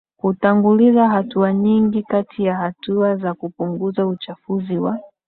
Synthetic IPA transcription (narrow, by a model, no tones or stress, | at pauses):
kutaŋɡulizaɦatuaɲiŋɡikatʰijahatuazakupuŋɡuzaut͡ʃafuziwa